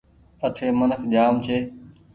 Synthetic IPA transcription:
ət̪ʰeːmənəkʰʄaːmt͡ʃʰeː

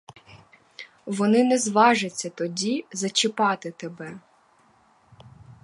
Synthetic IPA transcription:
ʋɔnɪnɛzʋɑʒɪt͡sʲːɐt̪ɔdʲizɐt͡ʃɪpɑt̪ɪt̪ebɛ

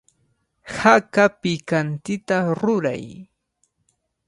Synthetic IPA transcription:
hakapɪkant̪ɪt̪aɾʊɾa̰j

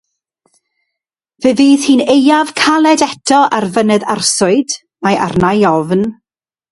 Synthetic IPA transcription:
vɨviːðhiːnejav̥kʰalˠɛdɛtʰɔʔarvənɛðarsʊɨd̥ | maja̰rnajɔvn

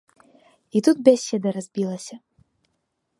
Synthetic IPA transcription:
it̪ut̪̚bʲasʲɛd̪ɐɾazʲbʲilˠɐsʲɐ

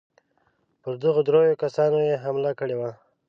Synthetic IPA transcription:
pəɾd̪əɣod̪ɾojokasɑnojeɦamlakəɽewa

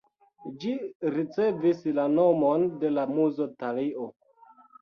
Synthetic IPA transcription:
d͡ʒiɾit͡se̞vislanomo̞nde̞lamuzotaliʔo

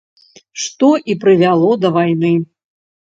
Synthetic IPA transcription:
ʂt̪ɔʔipɾɨvʲalˠɔd̪ɐvajnɨ

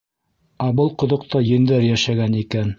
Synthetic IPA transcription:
ɑbɤlˠqŏðŏq̚t̪ʰɑjɘ̆nd̪æɾjæʃæɡænikæn

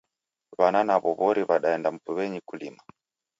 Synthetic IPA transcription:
βananaβɔβɔɾiβaɗaɛndam̩puβɛɲikulima

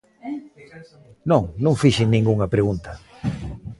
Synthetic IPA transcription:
nõŋnõŋfiʃɪnĩŋɡuŋɐpɾeɣunt̪ɐ̥

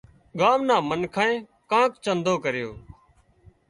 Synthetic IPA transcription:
ɠaːmnaːmənkʰãːẽː | kãːkt͡ʃənd̪ʱoːkəɾɪjo̰ː

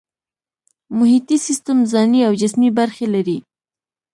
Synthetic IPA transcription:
mʊhit̪isist̪əmzɑniawd͡ʒɪsmibaɾxelaɾi

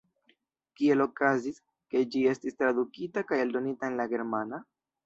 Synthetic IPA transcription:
kie̞lo̞kazis | ke̞d͡ʒie̞stistɾadukitakajeldo̞nitaenlaɡe̞ɾmana

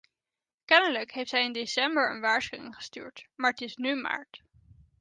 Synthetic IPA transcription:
kɛnələkɦejftɦɛjɪndesɛmbəɹə̰nʋaːɹsχyɪ̰ŋχə̥sty̰ːɹtmaːɹətɪsnyma̰ːɹt

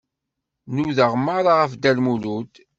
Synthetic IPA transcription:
nuðəʁmːaɾˤaʁəfd̪ælmulud̪

